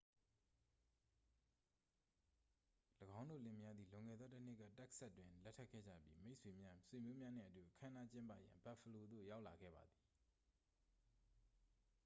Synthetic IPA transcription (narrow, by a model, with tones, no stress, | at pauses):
ləɡã˦ʊ̃ndo̰˦˨lɪ̰̃˦˨mja˦d̪ði˨lõ˨ŋɡɛ̰˦˨d̪ðɔ˦tə˦n̥ɪ˦ʔkːa̰˦˨tɛ˦ksa˦tːwɪ̃˨lɛ˦tʰɛ˦ʔkʰːɛ̰˦˨d͡ʑä̰˦˨pji˦me˦ʔsʰwe˨mja˦swe˨mjo˦mja˦n̥ɪ̰̃˦˨ʔətu˨ʔəkʰã˦əna˦t͡ɕɪ̃˦mpa̰˦˨jã̰˨mba˦˨fʰə˨lo˨d̪o̰˦˨ja˦ʊʔla˨ɡɛ̰˦˨ba˨d̪i˨